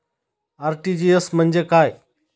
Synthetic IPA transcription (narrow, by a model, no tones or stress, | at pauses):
aːɾʈiːd͡ʑiːesməɲʲd͡ʒəkaːeː